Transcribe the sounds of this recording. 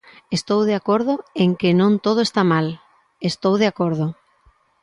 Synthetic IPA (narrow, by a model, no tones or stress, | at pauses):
est̪owð̞eakoɾðʊeŋkenõnt̪oð̞oest̪amal | est̪owðeakoɾð̞o